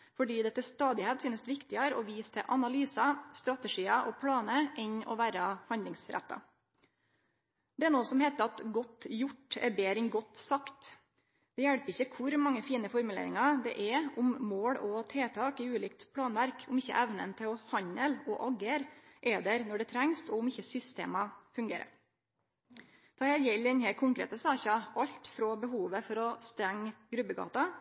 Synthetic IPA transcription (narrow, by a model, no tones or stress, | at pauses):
fɔɖiːd̪ɛt̪ːɛst̪ɑːd̪ɪheːt̪syːnəsd̪ʋɪkt̪ɪɑɾɔʋiːst̪ʰɛʔɑnɑlyːsɑst̪ɾɑt̪əʂiːɑʔɔpʰɽɑːnəʔɛɲɔ̰ʋæːɾɑhɑnd̪ɪŋsɾæ̰t̪ːɑ̰ | d̪̥ɛæɾnoːsɔmheːt̪əɾɑt̪ɡɔt̪ːjʊʈːɛ̰ɾbeːɾɪnɡɔt̪ːsɑkt̪ | d̪̥ɛjæɽpɪçːəkʰʊɾmɑŋːəfiːnəfɔɾmʉlḛːɾɪ̰ŋɑd̪ɛ̰ʔɛʊmmoːɽɔt̪ʰeːt̪ʰɑːkɪʉːliːkt̪pʰlɑːnʋæɾkʰʊmɪçːə̰ʔæʋnə̰nt̪ʰɪlɔhɑɲəlɔʔɑɡəɾʔɛd̪ɛɾnɔɖɛt̪ʰɾɛŋst̪ɔʊmɪçːəsʏst̪ḛːmɑfʉŋɡeːɾə̰ | t̪ʰɑːɛljɛlɛnheːlkʰʊŋkɾḛːt̪əsɑːçɑɑʎt̪fɾɔbəɦuːʋəfɔɾɔst̪ɾɛŋːɡɾʉbəɡɑ̰ːt̪ɑ